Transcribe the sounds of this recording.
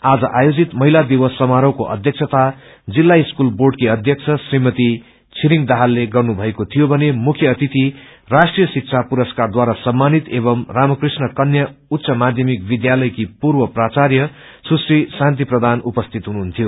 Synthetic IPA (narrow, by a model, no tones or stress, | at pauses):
ad͡zʌʔajod͡zit̪mʌɦilad̪iwʌsːʌmaɾʌwkoʔʌ̰d̪ʱjʌk̚sʰʌt̪a | d͡zilːaiskulborɖkiʌd̪ʱjʌkt͡sʰʌsrimʌt̪i | t͡sʰiɾiŋd̪aɦalːeɡʌrnubʱʌekot̪ʰijobʱʌnemukʰjʌːt̪it̪i | rasʈrijʌsik̚t͡sʰapuɾʌskard̪waɾasʌmːanit̪eβʌmramʌkrisnʌkʌnjaut̪ːsʌmad̪ʱjʌmikbid̪jalʌjkipurbʌprat͡sarjʌ | sʰusrisant̪̬iprʌd̪ʱanupʌst̪ʰit̪ɦunuɦunt̪ʰijo